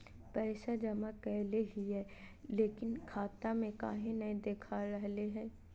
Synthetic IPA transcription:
pɛːsad͡ʒɐmakɛɦleɦiɦɛː | leːkɪnkʰaːt̪amẽka̰ːɦĩnɐɦĩd̪eːkʰaɾɐɦleɦɛː

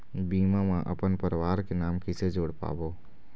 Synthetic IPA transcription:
biːmãmãʔɐ̰pənpəɾʋaːɾkenaːmkɪsed͡ʒoːɽpa̰ːboː

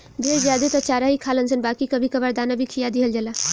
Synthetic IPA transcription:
d̪eːɾzjaːd̪et̪ɔt͡ʃaːɾaɦikʰaːlənsənbaːkikɐbʱikɐbəɾd̪aːnabʱikʰijad̪iɦəld͡ʒəla

